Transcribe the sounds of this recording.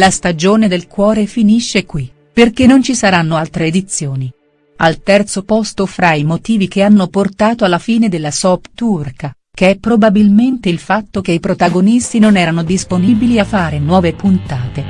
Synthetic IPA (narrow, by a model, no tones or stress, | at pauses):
last̪ad͡ʒoːned̪elkwɔːɾefiniʃːekwi | perkenːont͡ʃisaɾanːoalt̪ɾeːd̪it̪sːjoːni | alt̪ɛrt̪sopɔst̪ofɾaimot̪iːvik̟eanːoport̪aːt̪oalːafiːned̪elːasɔpt̪urka | keɛpːɾobabilment̪eilfat̪ːokeipɾot̪aɡonist̪inonɛːɾanod̪isponiːbiliafːaːɾenwɔːvepunt̪aːt̪e